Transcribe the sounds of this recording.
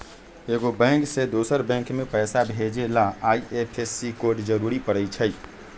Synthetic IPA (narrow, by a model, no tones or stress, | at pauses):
eːɡobɛ̃ːŋksed̪oːsəɾbɛ̃ŋkmẽpɛːsabʱeːd͡ʒelaaːiʔepʰesikoːɾʈd͡ʒəɾuːɾipəɽət͡ʃʰəi